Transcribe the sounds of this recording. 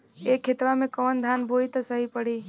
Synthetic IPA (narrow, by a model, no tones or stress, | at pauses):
ekʰet̪ʋamẽkəʋənd̪ʱanbʱoit̪əsəɦipəɽi